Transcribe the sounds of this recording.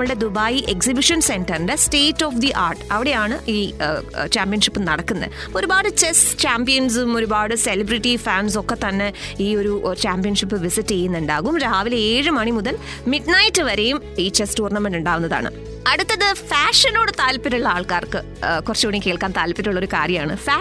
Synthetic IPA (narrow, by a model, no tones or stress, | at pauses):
mɭɨɽe̞d̪ubaːjiʔeksibiʂɐnse̞nʈɐrɨnɖeste̞ːtːo̞ːfd̪iʔa̰ːrʈɨ̥ɐʋiɽe̞jaːɳɨiːt͡ɕaːmpijɐnʂipːɨnɐɽɐkːunːɐ̰ðɨo̞ɾubaːɽɨt͡ɕest͡ɕaːmpijɐns̬umo̞ɾubaːɽɨselɐbriʈːifaːns̬o̞kːe̞t̪ɐnːe̞iːo̞ɾut͡ɕaːmpijɐnʂipːɨʋisitːejːunːuɳɖaːɣumɾaːʋileeːɻɨmɐɳimuðɐl | miɖnɐjtːɨʋɐɾe̞jum | iːt͡ɕestuːrnɐmenɖuɳɖaːʋunːɐða̰ːɳɨ̰ | ɐɽut̪ːɐðɨfaːʂɐno̞ːɽɨt̪aːlpːiɾuɭːɐaːɭkaːrkɨ | kurɐt͡ɕːoːɳikʲːe̞ːɭkaːnt̪aːlpːɐɾuɭːɐo̞ɾukaːrjɐmaːɳɨfaː